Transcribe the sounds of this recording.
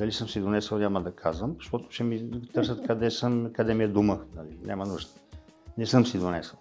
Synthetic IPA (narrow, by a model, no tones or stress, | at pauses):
d̪ɐlisɤmsid̪onɛsəlˠnʲaməd̪ɐkʰazvəmzɐʃt̪ɔt̪ʊ̥t͡ʃɛmit̪ɤɾsət̪kɐd̪ɛsɤmkɐd̪ɛmiɛd̪umənɐlinʲamɐnuʒd̪ənɛsɤmsid̪onɛsəlˠ